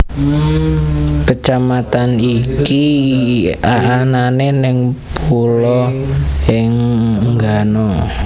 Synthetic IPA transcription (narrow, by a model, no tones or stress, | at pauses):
kət͡ʃamat̪aniki | aːnanenɪŋpʰulɔ | ɪŋŋɡanɔ